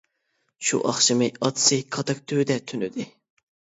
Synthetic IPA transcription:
ʃṵʔɑχʃɨmɨɑt̪sɨkʰɑt̪ɑk̚t̪ʰød̪ɛt̪ʰynyd̪ɪ

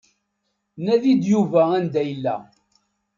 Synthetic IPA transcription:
næðid̪juvæænd̪æjəlːæ̰

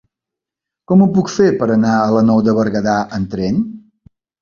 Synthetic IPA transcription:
kɔmupukfepəɾənaələnɔwðəβəɾɣəðaʔənt̪ɾɛn

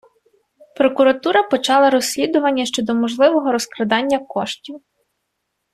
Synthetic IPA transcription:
pɾɔkʊɾɐt̪uɾɐpɔt͡ʃɑlˠɐɾɔsʲlʲid̪ʊʋɐnʲːɐʃt͡ʃɔd̪ɔmɔʒlˠɪʋɔɦɔɾɔskɾɐd̪ɑnʲːɐkɔʃtʲiw

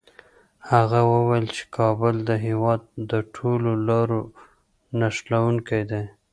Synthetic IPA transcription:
haɣawəwajlt͡ʃe̥kʰɑbʊld̪əɦewɑd̪̚ːəʈʰololɑɾo | naʃlawuŋkajd̪e

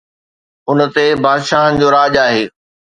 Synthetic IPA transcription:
ʊnə̆t̪ebaːd̪ʃaːɦənɪ̆d͡ʑoːɾaːd͡ʑaːɦeː

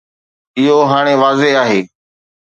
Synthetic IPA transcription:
ɪɦoɦaːɽ̃eːʋaːzeɦaːɦeː

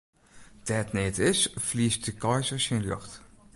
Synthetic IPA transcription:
d̥ɛtnetɪsflist̚dəkɑjzəɹsenlɵχt

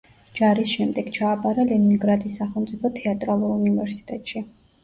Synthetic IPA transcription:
d͡ʒaɾisʃɛmd̪ɛɡ̥t͡ʃʰaːpʼaɾalɛninɡɾat̪ʰʼisːaχɛlˠmt̪sʼipʰɔt̪ʰɛat̪ʼɾalˠuɾunivɛɾsi̥t̪ʼɛt̪ʼʃi

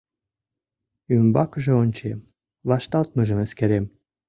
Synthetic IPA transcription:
ymbɑkəʒĕonʲt͡ɕem | βɑʃt̪ɑlt̪məʒə̆meskeɾem

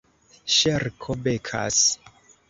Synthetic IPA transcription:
ʃeɾkʰobekʰa̰s

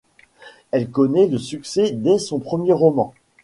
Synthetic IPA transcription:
ɛlkɔnɛləsyksɛd̪ɛsɔ̃pχəmjeʁɔmɑ̃

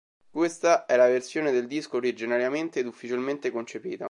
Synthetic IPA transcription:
kwest̪aɛlaversjoːned̪eld̪iskoːɾid͡ʒinaɾjament̪eːd̪ufːit͡ʃilment̪ekont͡ʃepḭːt̪a

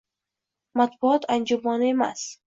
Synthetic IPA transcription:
mat̪buɒt̪ʰand͡ʒɔmɒnemast̪

